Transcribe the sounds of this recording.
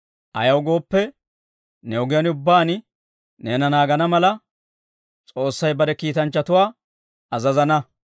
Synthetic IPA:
ʔɐ̰jɐwɡo̞ːpːɛ | nɛɔɡɪjɐnʊbːaːn | neːnɐnaːɡɐnɐmɐlɐ | t͡sʼo̞ːsːɐjbɐd̪ɛkiːt̪ɐnt͡ʃːɐt̪ʊwaː | ɐzɐzɐnɐ

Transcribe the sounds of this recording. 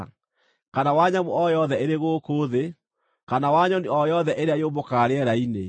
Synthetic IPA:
kanawaɲamoɔjɔðɛeɾeɣoːkoːðe | kanawaɲɔniɔjɔðɛʔeɾeajomokaːɾeɛɾaine

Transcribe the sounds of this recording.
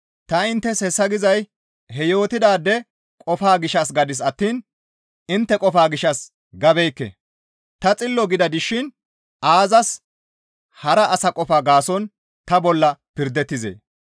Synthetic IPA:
t̪ɐɪnt̪ːɛsɛsːɐɡɪzɐj | ɦɛjo̞ːt̪ɪd̪aːd̪ːɛ | kʼɔfaːɡɪʃɐsɡɐd̪ɪs̬ɐt̪ːiːn | ɪnt̪ːɛkʼɔfaːɡɪʃɐs | ɡɐbɛjkːɛ̰ | t̪ɐt͡sʼɪlːɔɡɪd̪ɐd̪ɪʃɪn | ʔaːzɐs | hɐɾɐʔɐsɐkʼɔfaːɡaːsɔn | t̪ɐbɔlːɐpɪɾd̪ɛt̪ːɪzḛː

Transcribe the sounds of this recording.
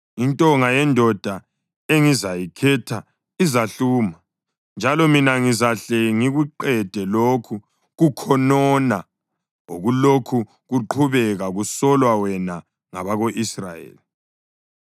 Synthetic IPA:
intʼɔŋajɛndʱɔd̥ʱa | eŋizajikʰɛtʰa | izaɬuːma | nd͡ʒʱalɔminaŋizaɬɛŋiɣuǃɛd̥ʱɛlokʰu | ɣukʰɔnɔna | oɣulokʰu | ɣuǃʰuβɛɣaɣusɔlwawɛna | ŋa̰βaɣoʔisra̰jḛːli

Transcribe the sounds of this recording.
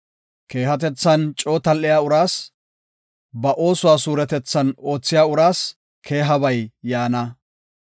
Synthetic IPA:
ke̞ːɦɐt̪ɛt͡sːɐnt͡ʃʼo̞ːt̪ɐlʔːɪjaːʊɾaːs | bɐʔo̞ːsʊwaːsuːɾɛt̪ɛt͡sːɐno̞ːt͡sːɪjaːʊɾaːs | kʰe̞ːɦɐbɐjːaːnɐ

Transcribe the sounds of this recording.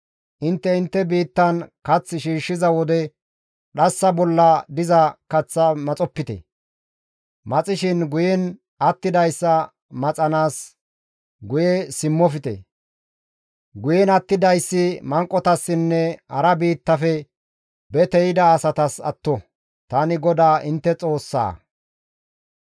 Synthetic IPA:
ʔɪnt̪ːɛɪnt̪ːɛbiːt̪ːɐnkɐt͡sːʃiːʃːɪzɐwɔd̪ɛ | ɗɐsːɐbɔlːɐd̪ɪzɐkɐt͡sːɐmɐt͡sʼɔpːɪt̪ɛ̰ | mɐt͡sʼɪʃɪnɡʊjɛn | ɐt̪ːɪd̪ɐjsːɐ | mɐt͡sʼɐnaːs | ɡʊjɛsɪmːɔfɪt̪ɛ̰ | ɡʊjɛnɐt̪ːɪd̪ɐjsːɪmɐŋkʼːɔt̪ɐsːɪnːɛhɐɾɐbiːt̪ːɐfɛ | bɛt̪ɛjɪd̪ɐːsɐt̪ɐsɐ̰t̪ːɔ | t̪anɪɡɔd̪aːʔɪnt̪ːɛt͡sʼo̞ːsːa̰ː

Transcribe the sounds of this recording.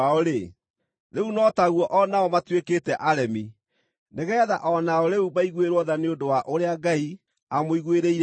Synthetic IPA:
aɔɾe | ðeunɔtaɣwɔʔɔnaɔmatweketɛʔaɾɛmi | neɣɛːða̰ʔɔnaɔɾeubaiɣweɾwɔðaneondowaʔoɾeaɡai | amoiɣweɾeiɾ

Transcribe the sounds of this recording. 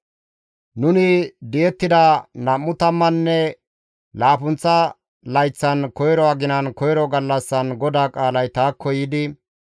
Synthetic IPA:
nʊnɪd̪ɪjɛt̪ːɪd̪ɐnɐmːʊt̪ɐmːɐnːɛ | laːpʊnt͡sːɐ | lɐjt͡sːɐnkɔjɾɔɐɡɪnɐnkɔjɾɔɡɐlːɐsːɐnɡɔd̪aːkʼaːlɐjt̪aːkʰːɔjɪd̪ɪ

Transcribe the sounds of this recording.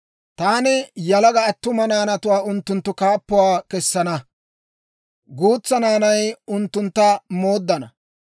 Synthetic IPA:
t̪aːnɪjɐlɐɡɐːt̪ːʊmɐnaːnɐt̪ʊwaːʊnt̪ːʊnt̪ːʊkaːpːʊwaːkɛsːɐnɐ | ɡuːt͡sːɐnaːnɐjʊnt̪ːʊnt̪ːɐmo̞ːd̪ːɐnɐ̰

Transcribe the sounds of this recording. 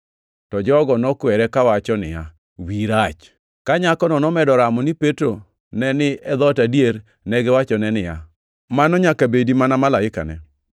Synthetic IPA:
tɔd͡ʒɔɡɔnɔkwɛɾɛkawat͡ʃɔnɪ̰ja̰ | wiɾat͡ʃ | kaɲakɔnɔnɔmɛdɔɾamɔnɪpetɾo | nɛnɪɛd̪ɔtadjeɾ | nɛɡɛwat͡ʃɔnɛnɪja | manɔɲakabedimanamalaɪka̰nɛ̰

